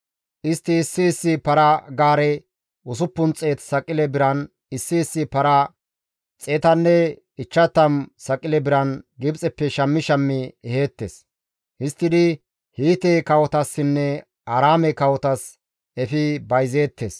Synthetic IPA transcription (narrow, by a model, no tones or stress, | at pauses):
ʔɪst̪ːɪːsːɪːsːɪpɐɾɐɡaːɾɛ | ʊs̬ʊpːʊnt͡sʼe̞ːt̪sɐkʼːɪlɛbɪɾɐn | ɪsːɪːsːɪpɐɾɐ | t͡sʼe̞ːt̪ɐnːɛ | ɪt͡ʃːɐt̪ːɐmsɐkʼːɪlɛbɪɾɐnɡɪbt͡sʼɛpːɛʃɐmːɪʃɐmːɪɛhe̞ːt̪ːes | hɪst̪ːɪd̪ɪ | hiːt̪ekɐwɔt̪ɐsːɪnːɛ | ɐɾaːmɛkɐwɔt̪ɐs | ɛfɪbɐjze̞ːt̪ːes